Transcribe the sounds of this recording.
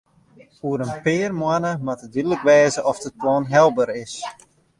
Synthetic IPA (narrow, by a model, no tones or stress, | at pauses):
uəɾənpɪːrmwanəmatədidləkʋɛːzəʔɔfdəplɔːnɦɛlˠbəɾɪs